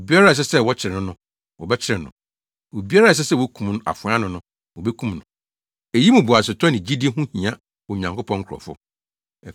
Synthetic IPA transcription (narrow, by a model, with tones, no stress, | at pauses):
o˨bi˦a˦ɾa˦˨s̬ɛ˦sɛ˦˨wɔ˦t͡ɕʰɪ˨ɾɪ˨nʊ̃˦nʊ̃˦ | wɔ˨bɛ˦t͡ɕʰɪ˦ɾɪ̃˨nʊ̰̃˨ | wo˨bi˦a˦ɾa˦˨s̬ɛ˦sɛ˦˨wo˦kʰũ˨mn˦a̰˨fʊ̃˨a˦nʊ̃˨nʊ̃˦ | wɔ˨bɛ˦kʰũ˦mnʊ̃˨ | e˨ji˦mʊ̃˨bʊ˨a˨s̬ɪ˨tʰɔ˦nɪ̃˨d͡ʑi˦di˦e˦ɦũ˦hĩ˨ã˦ | wɔ˨ɲã˨ŋko˦pʰɔ̃˦ŋ̩˦kʰɾɔ̰˨fʊ̰˦˨